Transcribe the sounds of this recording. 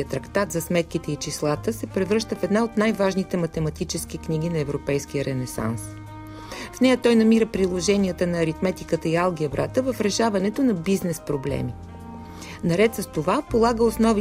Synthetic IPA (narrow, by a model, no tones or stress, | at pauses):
ət̪ɾɐkt̪at̪zɐsmɛt̪̚kit̪ɛit͡ʃislˠat̪əsɛpɾɛvɾɤʃt̪əfɛd̪naot̪najvaʒnit̪ɛmɐt̪ɛmɐt̪it͡ʃɛsk̟ikniɡ̟inɐɛvɾopɛjsk̟ijəɾɛnɛsa̰ns | fnɛjət̪ɔjnɐmiɾəpɾilˠoʒɛnʲiət̪ənɐːɾit̪mɛt̪ikət̪əialˠɡ̟ʲiɐbɾat̪əvɐfɾɛʃavɐnɛt̪onɐbiznɛspɾoblɛ̰mi | nɐɾɛt̪sɐst̪ovapolˠaɡəosnɔvi